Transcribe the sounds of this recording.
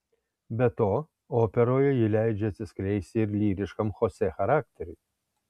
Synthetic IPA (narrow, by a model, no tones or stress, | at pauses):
bʲɛt̪oː | oːpʲɛɾoːjɛjɪlʲæɪd͡ʒʲɛɐt̪ʲsʲɪsklʲɛɪsʲt̪ʲɪɪɾlʲiːɾʲɪʃkɐmxosʲɛxɐɾaːk̚t̪ʲɛɾʲuj